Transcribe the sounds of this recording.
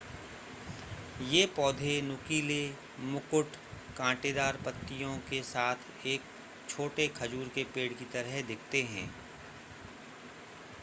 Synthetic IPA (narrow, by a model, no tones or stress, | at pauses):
jeːpɔːd̪ʱenʊkiːle | mʊkʊʈ | kãːʈeːd̪aːɾpət̪ːijõkesaːt̪ʰ | eːk̚ | t͡ʃʰoːʈekʰɐd͡ʒuːɾkepeːɽkit̪əɾəɦd̪ɪkʰt̪eɦɛ̰̃ː